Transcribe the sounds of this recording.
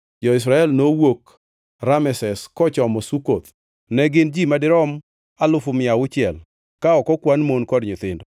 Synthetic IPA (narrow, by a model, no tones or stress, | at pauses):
d͡ʒɔɪs̬ɾaɛlnowok | ɾamɛsɛskɔt͡ʃɔmɔsukot̪ | nɛɡɪnd͡ʒimadɪɾɔm | alʊfʊmɪaʊt͡ʃɪɛl | kaɔkɔkwanmonkɔdɲʊt̪ɪndɔ